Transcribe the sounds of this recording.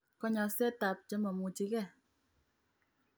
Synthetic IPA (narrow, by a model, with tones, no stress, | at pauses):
kɔ˦ɲɔ˧sɛ˦ta˨p̚d͡ʒə˨˦mɔ˨mu˨t͡ʃi˧˦kɛ˦˨